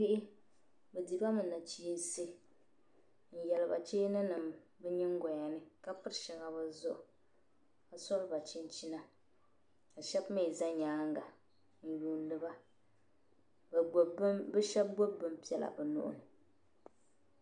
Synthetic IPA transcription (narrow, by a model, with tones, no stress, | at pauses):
ɪ˦ʔɪ˦ | bɛ˨di˨ba˦mɨ˨na˨t͡ʃi˦n˦se˦ | n̩˨jɛ˨lɨ˨ba̰˨t͡ʃeː˦nɨ˦nɨ˨mbɛ˦ɲɛ˦ŋ˦ɡa˨ɲa˨nɨ˦ka˦pɨ˦ɾʃɛ˨ŋa˨ba˦zʊ˦ʔʊ˨ | a˨sɔ˦lɨ˦ba˨t͡ʃi˦nt͡ʃi˦na˦ | a˨ʃɛ˦bme˦˨za˦ɲaː˨˦ŋ˦ɡa˨ | n̩˨juː˨n˦lɨ˦ba˦˨˦ | bɛ˦ʃɛ˦b̚bo˦bbɨ˦mpi˦ɛ˨la̰˨bɛ˨nʊ̰˦˨ʔʊ̰˦˨nɨ˨